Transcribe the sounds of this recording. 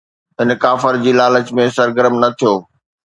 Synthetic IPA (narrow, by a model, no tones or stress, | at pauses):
ɦɪnkaːfəɾd͡ʑiːlaːlət͡ɕmẽsɐɾɡəɾəmnɐt̪ʰijoː